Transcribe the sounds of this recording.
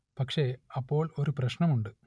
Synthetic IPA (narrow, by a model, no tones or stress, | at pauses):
pɐkʂe̞ɐpːo̞ːɭo̞ɾuprɐɕnɐmuɳɖɨ